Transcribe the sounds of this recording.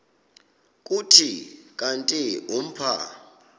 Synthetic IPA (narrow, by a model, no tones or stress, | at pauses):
kʼutʰikʼantʼium̩pʰa̰